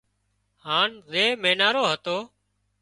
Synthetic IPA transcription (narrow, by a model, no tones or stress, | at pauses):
haːnzeːmeːnaːɾoːɦət̪oː